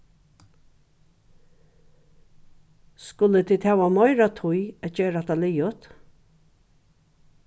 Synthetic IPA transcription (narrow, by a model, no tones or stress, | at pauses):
skʊlət̪ʰɪd̪hæːwamɔɪɾat̪ʰʊjɛd͡ʒeːɾat̪ʰalɪjʊt̪